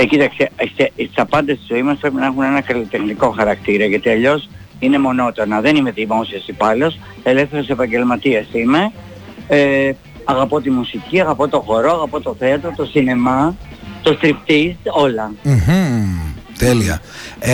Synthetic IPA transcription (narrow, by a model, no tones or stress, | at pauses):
ecit̪ɐksest̪eist̪ɐpɐnd̪e̞st̪izo̞imɐspɾe̞pinɐexune̞nɐkɐlit̪e̞xniko̞xɐɾɐkt̪iɾɐʝɐt̪iɐʎo̞s | ine̞mo̞no̞t̪o̞nɐðe̞nime̞ðimo̞siɐsipɐlo̞s | e̞lefθe̞ɾese̞pɐɲɟe̞lmɐt̪iesime̞ | e | ɐɣɐpo̞t̪imusiciɐɣɐpo̞t̪o̞xo̞ɾo̞ɐɣɐpo̞t̪o̞θeɐt̪ɾot̪o̞sinemɐt̪o̞st̪ɾipt̪ist̪o̞lɐm̩h | t̪eliɐ̰